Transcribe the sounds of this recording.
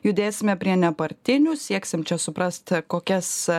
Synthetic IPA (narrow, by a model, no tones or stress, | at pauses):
jud̪ʲeːsʲɪmʲɛpʲɾʲiɛnʲɛpɐɾʲt̪ʲɪnʲʊsʲiɛksʲɪmt͡ʃʲɛsʊpɾɐst̪koːkʲɛs